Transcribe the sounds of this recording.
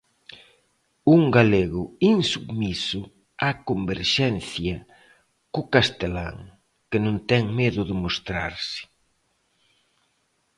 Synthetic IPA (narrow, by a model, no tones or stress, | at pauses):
uŋɡaleɣʊinsuɣmisʊ | akombeɾʃɛnθjɐ | kʊkast̪ela̰ŋ | kɪnõnt̪ɛŋmeðʊðɪmost̪ɾaɾsɪ̥